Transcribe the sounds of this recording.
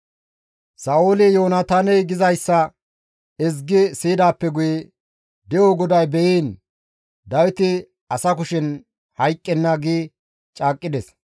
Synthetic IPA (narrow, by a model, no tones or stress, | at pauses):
sɐːʊlɪjoːnɐt̪aːnɛjɡɪzɐjsːɐ | ɪzɡɪsiːd̪aːpːɛɡʊjɛ | d̪ɛjoɡɔd̪ɐjbɛiːn | d̪ɐwɪt̪ɪ | ɐsɐkʊʃɪn | hɐjkʼːɛnːɐɡiː | t͡ʃʼaːkʼːɪd̪ɛs